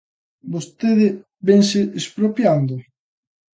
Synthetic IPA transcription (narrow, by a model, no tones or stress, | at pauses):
bost̪eðɪ | bɛŋsɪʔespɾopjand̪ʊ